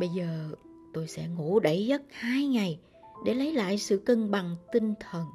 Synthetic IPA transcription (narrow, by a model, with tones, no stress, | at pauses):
ɓə˧jzəː˨˩t̪o˧jsɛ̰˧˥ŋṵ˧˥ɗə˧˩jzə˦˥t̚haː˧jŋa˨˩j | ɗe˧˩lə˨˦jla̰ː˧˨jsɨ̰˧˨kə˧ŋɓa˨˩ŋt̪ï˧ŋ̟t̪ʰə˨˩n